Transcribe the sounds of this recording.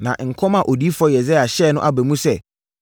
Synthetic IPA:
nã˨ʔŋ̩˨kʰɔ˦mã˨ʔɔ˨di˦fɔ˦jɛ˨zɛ˦a˨ɕɛ˦˨nʊ̃˦ʔa˨bɛ˨mũ˦sɛ˦

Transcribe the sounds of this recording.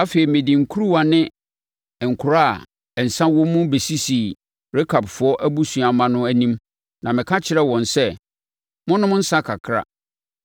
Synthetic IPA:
a˦fe˨ɾi˨mɪ̃˨dĩ˨ŋ̩˨kʰu˦ɾu˦wa˨nɪ̃˦˨ | ŋ̩˨kʰʊ˨ɾa̰˦˨ | n̩˨sã˦wɔ̃˦mũ˦be˨si˦si˨ | ɾe˦kʰa˨bfʊ˨˦ɔ˦ʔæ˦bu˦sũ˨a˨mã˦nʊ̃˦æ˦nĩ˦m | nã˨mɪ̃˨kʰa˦t͡ɕʰɪ˨ɾɛ˦wɔ̃˨nsɛ˦ | mʊ̃˦nʊ̃˦m˦n̩˦sã˦kʰa˨kʰɾa̰˦

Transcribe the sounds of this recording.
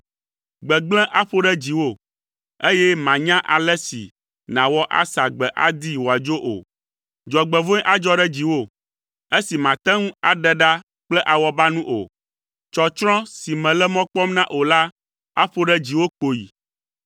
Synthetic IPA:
ɡ͡bɛ˨ɡ͡blɛ̃˦ʔa˦ɸo˦ɖɛ˦d͡ʑi˨wo˦˨ | e˦jɛ˦mã˨ɲã˦ʔa˨lɛ˦sḭ˨ | nã˨wɔ˦ʔa̰˦sa˨ɡ͡bɛ˨ʔa̰˦d̪i˦wo˨a˨d͡ʒo˦ʔo̰˨ | d͡ʒɔ˨ɡ͡bɛ˨võ˦ʔa˦d͡ʒɔ˦ɖɛ˦d͡ʑi˨wo˦ | e˦si˨mã˨t̪ɛ̃˦ŋũ˦a˨ɖɛ˦ɖa˦ | k͡plɛ˦ʔa˨wɔ˦ba˦nũ˦ʔo˨ | t͡ʃɔ˨t͡ʃɾɔ̃˦si˨mɛ̃˨lɛ˦mɔ̃˦k͡pɔ˦mnã˦ʔo˨la˦ | a˦ɸo˦ɖɛ˦d͡ʑi˨wo˦k͡po˨jḭ˨

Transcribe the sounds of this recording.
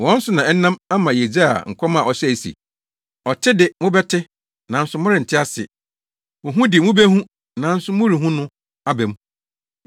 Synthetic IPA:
ɔ̃˦n̩˦sʊ˦nã˨ɛ˦n̩˦nã˦ma˦mã˨je˨d͡ʑa˦a̰˨ŋ̩˨kʷʰɔ˦mã˦˨ɔ˨sɛ˦˨sḭ˨ | ɔ˨tʰɪ˦dɪ˨mʊ̃˦bɛ˦tʰɪ˦ | nã˨n̩˦sʊ˨˦mʊ̃˦ɾɪ˨n̩˨tʰɪ˦a˦sɪ̰˨ | mʊ̃˨ɦũ˦dɪ˨mũ˦be˦hũ˦ | nã˨n̩˦sʊ˦mʊ̃˦ɾi˨ɦũ˦nʊ̃˦ | a˦bɛ˨m̃˦

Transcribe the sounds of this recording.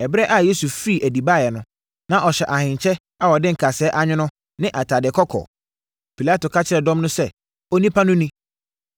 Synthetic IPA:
ɛ˨bɾɛ˦ʔa˦˨je˦su˨fi˦˨ʔæ˨di˨ba˦˨jɛ˨nʊ̃˦ | nã˨ʔɔ˨ɕɛ˨ʔa˨hɪ̃˨ɲ˨t͡ɕʰɛ˦ | a˦wɔ˨dɪ̃˦ŋ̩˨kʰa˨sɛː˦ʔa˦ɲᶣɪ̃˦nʊ̃˦ | nɪ̃˦ʔa˨tʰa˨dɪ˨kʰɔ˦kʰɔ̰˨ | pʰi˨la˦to˨kʰa˦t͡ɕʰɪ˦˨ɛ˨dɔ̃˦mnʊ̃˦sɛ˦˨ | ɔ˦nĩ˦pʰa˦nʊ̃˦nĩ˦

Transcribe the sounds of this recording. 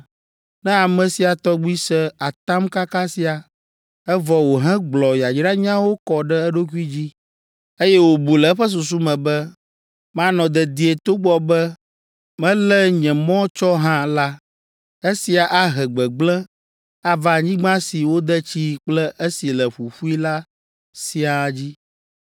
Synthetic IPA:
nɛ̃˦a˨mɛ̃˨si˨a˨t̪ɔ˦ɡ͡bu˦i˦sɛ˦a˨t̪a˦mka˦ka˦si˨a˨ | ɛ˦vɔ˨wo˨ɦɛ̃˦ɡ͡blɔ˨ja˨d͡ʒɖa˦ɲã˦wo˦kɔ˨ɖɛ˦ɛ˦ɖo˦ku˦i˦d͡ʑi˦ | e˦jɛ˦wo˨bu˨lɛ˨˦ɸə˦s̬u˨s̬u˦mɛ̃˨bɛ˦ | mã˦nɔ̃˨d̪ɛ˨d̪i˨e˨t̪o˦ɡ͡bɔ˦bɛ˦ | mɛ̃˦lɛ˦ɲɛ̃˨mɔ̃˦t͡ʃɔ˦ɦã˦la˦ | e˦si˨a˨ʔa˦ɦɛ˨ɡ͡bɛ˨ɡ͡blɛ˦ | a˦va˨ɲĩ˦ɡ͡bã˦si˨wo˦d̪ɛ˦t͡ɕi˦k͡plɛ˦ʔe˦si˨lɛ˨ɸu˨ɸu˦i˦la˦ | si˦a˨d͡ʑi˦

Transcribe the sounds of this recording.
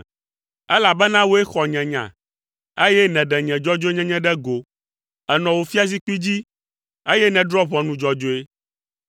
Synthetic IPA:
ɛ˦la˨bɛ˦nã˦wo˦e˦xɔ˨ɲɛ̃˨ɲã̰˨ | e˦jɛ˦nɛ̃˨ɖɛ˨ɲɛ̃˨d͡ʒɔ˦d͡ʒo˦e˦ɲɛ̃˦ɲɛ̃˦ɖɛ˦ɡo˨ | ɛ˨nɔ̃˨wo˨fi˦a˦z̬i˦k͡pi˦d͡ʑi˦ | e˦jɛ˦nɛ̃˨ɖɾɔ˦βɔ̃˨nũ˨d͡ʒɔ˨d͡ʒo˦e˦

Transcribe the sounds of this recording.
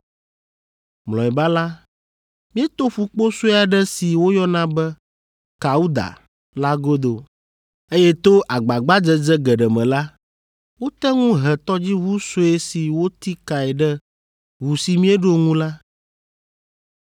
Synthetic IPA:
mlɔ̃˨ɛ˨ba˦la˦ | mĩ˦ɛ˦t̪o˦ɸu˦k͡po˦so˦˨a˨ɖɛ˦si˨wo˦jɔ˦nã˦bɛ˦ | ka˨u˦d̪a̰˨ | la˦ɡo˦d̪o˨ | e˦jɛ˦t̪o˦ʔa˨ɡ͡ba˨ɡ͡ba˦d͡ʒɛ˦d͡ʒɛ˦ɡɛ˨ɖɛ˨mɛ̃˨la˦ | wo˦t̪ɛ˦ŋũ˦ɦɛ˨t̪ɔ˦d͡ʑi˦βu˦so˦e˦si˨wo˦t̪i˦ka˨ɛ˨ɖɛ˦ | wu˨si˨mĩ˦e˦ɖo˦ŋũ˦la˦

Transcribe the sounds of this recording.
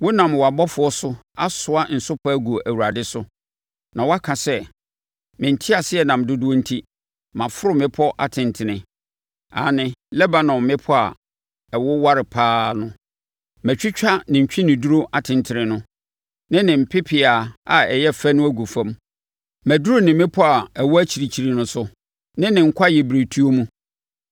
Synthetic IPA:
wʊ˦nã˨m˨wɔ˨a˨bɔ˦fʊ˨˦ɔ˦sʊ˦a˦sʊ˨a˦n̩˨sʊ˦pʰa˦æ˦ɡu˨ʔæ˨wu˨ɾa˨dɪ˦sʊ˦ | nã˨wɔ˦a˦kʰã˨sɛ˦ | mɪ̃˨n̩˨tʰi˦a˨sɪ˦ɛ˨nã˨mdʊ˦dʊ˦ɔ˦n̩˦tʰi˦ | mã˨fʊ˦ɾʊ˦mɪ̃˦pʰɔ˦ʔa̰˨tʰɪ̃˨ntʰɪ˨nɪ̃˨ | a̰ː˨nɪ̃˦lɛ˦ba˨nɔ̃˨mːɪ̃˦pʰɔ˦a̰˨ | ɛ˨wɔ˦wa˦ɾɪ˨pʰaː˦nʊ̃˦ | mæ˨t͡ɕᶣɪ˦t͡ɕᶣa˦nɪ̃˨ɲ̩˨t͡ɕᶣĩ˦nɪ̃˨du˦ɾo˦ʔa˨tʰɪ̃˨ntʰɪ˨ɾɪ̃˨nʊ̃˦ | nɪ̃˦nɪ̃˨m̩˨pʰɪ˦pʰɪ˨a˨a˨ɛ˨jɛ˦fæ˦nʊ̃˦æ˦ɡu˨fã˦m | mæ˨du˦ɾo˦nɪ̃˨mɪ̃˦pʰɔ˦a˨ɛ˨wɔ˦æ˦t͡ɕʰi˨ɾi˨t͡ɕʰi˨ɾi˨nʊ̃˦sʊ˦ | nɪ̃˦nɪ̃˨ŋ̩˦kʷʰa˦jɛ˨bɾe˨tʰu˦o˦mũ˦

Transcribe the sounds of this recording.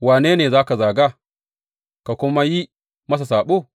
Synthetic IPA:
waː˨neː˦neː˨zaː˦ka˨zaː˨ɡaː˦ | ka˨kʷʊ˦ma˦ji˦ | mɐ˦s̬a˨saː˨ɓoː˦˨

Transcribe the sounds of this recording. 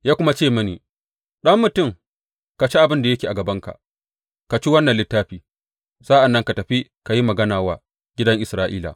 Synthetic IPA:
jaː˦kʷʊ˦ma˦t͡ʃeː˦˨mɐ˦nḭː˨ | ɗɐ˦mːʊ˨tʊ˦˨m | ka˨t͡ʃi˦ʔa˨bɪ˦nda˨jɐ˦kʲiː˨ʔa˨ɡɐ˨bɐ˦ŋka̰˨ | ka˨t͡ʃi˦wɐ˦nːɐ˨lɪ˦tːaː˦ɸiː˨ | sa˦ʔa˨nːɐ˦ŋka˨tɐ˨ɸi˦ka˨ji˦mɐ˨ɡɐ˦naː˨waː˦ | ɡʲɪ˦dɐ˦ŋʔɪ˨sɾaː˦ʔḭː˦la̰ː˨

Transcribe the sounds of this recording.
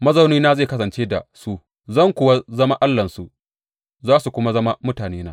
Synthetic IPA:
mɐ˦zɐ˦wniː˦naː˦ze˦˨kɐ˦s̬ɐ˨nt͡ʃeː˦da̰˨su˦ | zɐ˦˨ŋkʷʊ˦wa˦zɐ˦ma˦ʔa˦lːɐ˨nsu˨ | zaː˦su˨kʷʊ˦ma˦zɐ˦ma˦mʊ˦taː˨neː˦naː˦

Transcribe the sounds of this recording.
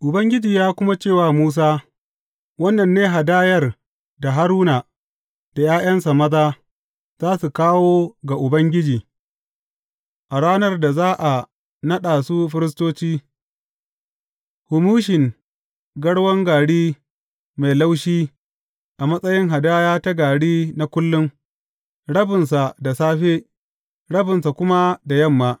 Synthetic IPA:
ʔʊ˨bɐ˦ŋɡʲɪ˦d͡ʒiː˨jaː˦kʷʊ˦ma˦t͡ʃeː˦˨waː˨muː˦s̬aː˦ | wɐ˦nːɐ˨nːeː˦ɦa˨daː˦jɐ˦r | da˨ɦa˦ɾuː˦na˨ | d̥a˨jaː˦j̰ɐ˦nsa˨mɐ˦zaː˦ | z̥aː˦su˨kaː˦woː˦ɡa˨ʔʊ˨bɐ˦ŋɡʲɪ˦d͡ʒiː˨ | ʔa˨ɽaː˦nɐ˦rda˨zaː˦ʔa˨ | nɐ˦ɗaː˨su˦ɸɪ˦ɾɪ˦s̬toː˦t͡ʃiː˦ | hʊ˨muː˦ʃɪ˨ŋ | ɡɐ˦ɽwɐ˦ŋɡaː˨ɽiː˦ | ma˨jla˦wʃiː˦ | ʔa˨mɐ˦sʼɐ˦jɪ˦ŋɦa˨daː˦jaː˦ta˦ɡaː˨ɽiː˦na˦kʷʊ˦lːʊ˦ŋ | ɽɐ˦bɪ˨nsa˨da˨saː˦ɸe˦ | ɽɐ˦bɪ˨nsa˨kʷʊ˦ma˦da˨jɐ˦˨mːaː˨

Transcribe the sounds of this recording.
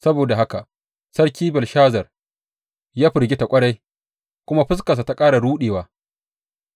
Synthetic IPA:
sɐ˦boː˨da˨ɦa˦ka˨ʔ | sɐ˦rkʲiː˦bɛ˨lʃaː˦zɐ˨r | jaː˦ɸɪ˨ɾɡʲɪ˦ta˨kʷʼɐ˦ɽa˦j | kʷʊ˦ma˦ɸɪ˦s̬ka˨s̬a˨ta˨kʼaː˦ɽa˨ɽuː˦ɗeː˨waː˦

